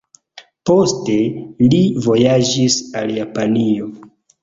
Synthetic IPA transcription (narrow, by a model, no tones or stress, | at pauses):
po̞ste̞livo̞jad͡ʒisa̰ljapanio̞